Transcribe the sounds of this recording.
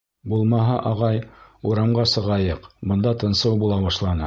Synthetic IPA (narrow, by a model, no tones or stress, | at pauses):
bulˠmɑɦɑʔɑʁɑjuɾɑmʁɑsɤ̆ʁɑjɤqbɤ̆nd̪ɑt̪ɤ̆nsɤwbulˠɑβɑʃlˠɑnɤ